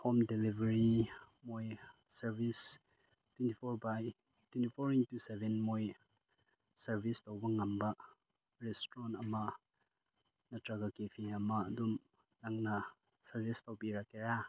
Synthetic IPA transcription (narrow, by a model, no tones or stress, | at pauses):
homdelibeɾi | moj | sɐɾbis | twentipʰoɾbaj | twentipʰoɾiŋtusebʱenmoj | sɐɾbʱistawbɐŋɐmbɐ | ɾestɾɔnɐmɐ | nɐtɾaɡakepʰiɐmɐːdum | naŋnɐ | sɐɾbistawbiɾakeɾa